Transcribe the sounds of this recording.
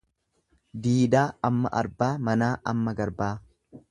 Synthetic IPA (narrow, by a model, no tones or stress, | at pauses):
d̪iːd̪aːɐmːɐʔɐ̰ɾbaːmɐnaːʔɐ̰mːɐɡɐɾbaː